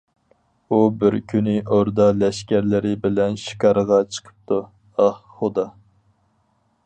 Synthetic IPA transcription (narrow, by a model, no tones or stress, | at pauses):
ubɪɾkʲʰynɪʔoɾd̪ɑlɛʃkʲæɾlɪɾɪbɪlɛnʃi̥kɑɾʁɑt͡ʃʰə̥qʰə̥p̚t̪ʰu | ɑhχʊd̪ɑ